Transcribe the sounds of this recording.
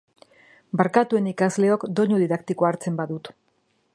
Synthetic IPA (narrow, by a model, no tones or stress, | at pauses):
baɾkat̪ue̞nikazle̞o̞kd̪o̞ɲuðiðakt̪ikoaɾt͡se̞mbaðut̪